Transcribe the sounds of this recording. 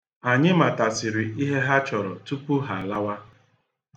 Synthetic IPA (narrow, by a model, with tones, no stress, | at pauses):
a˨ɲɪ˦ma˨ta˨sɪ˨ɾɪ˨i˦ɦe˦ɦa˦t͡ʃɔ˨ɾɔ˨tu˦pu˦ɦa˨la˦wa˦